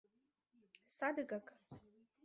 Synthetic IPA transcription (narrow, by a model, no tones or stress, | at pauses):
sad̪ɨkʼakʼ